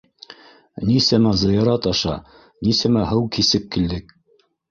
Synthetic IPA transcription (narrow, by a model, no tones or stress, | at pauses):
nisæmæzɤ̆jɑɾɑt̪ɑʃɑ̰ | nisæmæɦɤwkisɘp̚kild̪ɘk